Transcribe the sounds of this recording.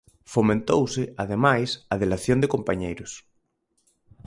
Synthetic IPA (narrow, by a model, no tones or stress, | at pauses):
fomẽnt̪owsɪaðemajsaðelaθjond̪ɪkompaɲejɾʊs